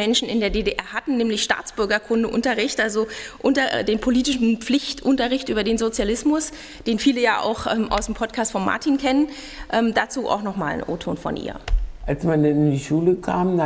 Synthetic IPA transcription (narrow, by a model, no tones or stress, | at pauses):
ɛnʃn̩ɪndeːɐdeːdeʔɛɐɦatn̩nɛːmlɪçʃta̰ːt͡sb̥ʏɐɡɐkʰʊndəʔʊntɐʁɪçtʔalzoʔʊntɐdeːnpʰoliːtɪʃn̩p͡flɪçtʔʊntɐʁɪçtʔyːbɐdeːnzot͡sjalɪsmʊs | d̥eːnfiːləjaːʔa̰ʊxʔɛmʔa̰ʊsd̥empʰɔtkʰaːstfɔnma̰ɐtʰiːnkʰɛnən | ʔɛːmdat͡suːʔa̰ʊxnɔχma̰ːl̰nʔo̰ːtʰo̰ːnfɔ̰nʔḭːɐʔalsmandanɪndiʃuːləkʰaːm